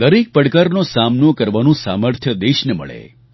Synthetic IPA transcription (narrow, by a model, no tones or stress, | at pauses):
d̪əɾik̚pəɽkaɾnosamnokəɾʋanũsa̰məɾt̪ʰjəd̪eʃnemə̰ɭḛ